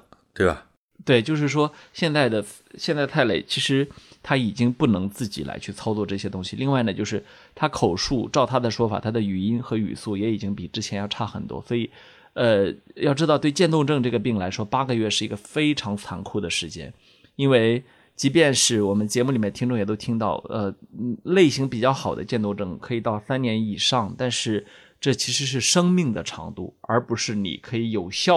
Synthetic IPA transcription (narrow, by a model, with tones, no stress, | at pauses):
t̪we˥˩ba̰˨˩ | t̪we˥˩ɪt͡ɕjo˥˧ʊʂɻ̩˥˩ʂ̬wɔ˥ɕjɛ˥˧nt͡sa˥˩ɪd̪ə˩ | ɕjɛ˥˧nt͡s̪a˥˧ɪt̪ʰa˥˩ɪlḛ˥˩ɪt͡ɕʰi˧˥ʂɻ̩˧˥t̪ʰa˥i˨˩t͡ɕi˥ŋpu˥˩nɤ˧˥ŋt͡sɹ̩˥˩t͡ɕḭ˨˩la̰˧˥ɪt͡ɕʰy˥˩t͡sʰɑ˥ʊt͡swɔ˥˧ʈ͡ʂɤ˥˩ɕjɛ˥t̪ʊ˥ŋɕi˨˩li˥˧ŋwa˥˩ɪnə˩t͡ɕjo˥˧ʊʂɻ̩˥˩ | t̪ʰa˥kʰo˨˩ʊʂu˥˧ʈ͡ʂɑ˥˩ʊt̪ʰa˥d̪ə˨ʂwɔ˥fa̰˨˩t̪ʰa˥d̪ə˨y˨˩i˥nxɤ˧˥y̰˨˩su˥˩jɛ˧˥i˨˩t͡ɕi˥ŋpi˨˩ʈ͡ʂɻ̩˥t͡ɕʰjɛ˧˥njɑ˥˧ʊʈ͡ʂʰa˥˩xə̰˨˩nt̪wɔ̰˥swɔ˧˥i˨˩ | ə˧jɑ˥˧ʊʈ͡ʂɻ̩˥t̪ɑ˥˧ʊt̪we˥˧ɪt͡ɕjɛ˥˧nt̪ʊ˥˧ŋʈ͡ʂɤ˥˧ŋʈ͡ʂɤ˥˩ɡə˩p̬i˥˩ŋla˧˥ɪʂwɔ˥pa˥ɡə˧ɥɛ˥˧ʂɻ̩˥˩i˧˥ɡə˧fe˥ɪʈ͡ʂʰɑ˧˥ŋt͡sʰa̰˧˥nkʰu˥˩d̪ə˩ʂɻ̩˧˥t͡ɕjɛ̰˥n | i˥nwe˥˩ɪ | t͡ɕi˧˥pjɛ˥˧nʂɻ̩˥˩wɔ˨˩mə˦nt͡ɕjɛ˧˥mu˥˩li˨˩jɛ˥˩ət̪ʰi˥ŋʈ͡ʂʊ˥˧ŋjɛ˨˩t̪o˥ʊt̪ʰi˥ŋt̪ɑ˥˩ʊə˧le˥˩ɪɕi˧˥ŋpi˨˩t͡ɕjɑ˥˩ʊxɑ˨˩ʊd̪ə̰˦t͡ɕjɛ˥˧nt̪ʊ˥˧ŋʈ͡ʂɤ˥˩ŋkʰɤ˧˥i˨˩t̪ɑ˥˩ʊsa˥nnjɛ˧˥ni˨˩ʂɑ˥˧ŋt̪a˥˧nʂɻ̩˥˧ | ʈ͡ʂɤ˥˩t͡ɕʰi˧˥ʂɻ̩˧˥ʂ̬ɻ̩˥˩ʂɤ˥ŋmi˥˩ŋd̪ə˩ʈ͡ʂʰɑ̰˧˥ŋt̪ṵ˥˩ə̰˞˧˥pu˧˥ʂɻ̩˥˩nḭ˨˩kʰɤ˧˥i˧˥jo˨˩ʊɕjɑ˥˩